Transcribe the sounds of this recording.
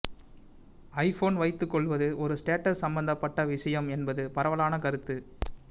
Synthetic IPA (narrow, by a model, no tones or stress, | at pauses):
ɐɪfoːnʋɐɪt̪ːɯkːɔɭʋɐðɯʔɔɾɯsʈeːʈɐssɐmbɐnd̪ɐpːɐʈːɐʋɪʂɐjɐmɛnbɐðɯpɐɾɐʋɐlaːnɐkɐɾɯt̪ːɯ